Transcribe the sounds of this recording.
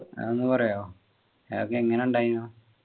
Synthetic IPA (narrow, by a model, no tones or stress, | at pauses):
enːɨpɐrɐjoː | okːeiŋːɐne̞uɳɖaːjunoː